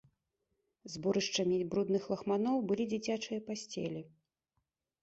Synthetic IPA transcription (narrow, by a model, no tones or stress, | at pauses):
zbuɾɨʂt͡ʂɐmʲibɾud̪nɨxlˠɐxmanɔwbɨlʲid͡zʲit͡sʲat͡ʂɨjɐpasʲt͡sʲɛ̰lʲi